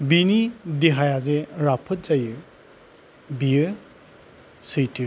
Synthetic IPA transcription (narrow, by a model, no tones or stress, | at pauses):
binidiɦajazeɾapʰɯt̚zajɯ | bijɯ | sɯjti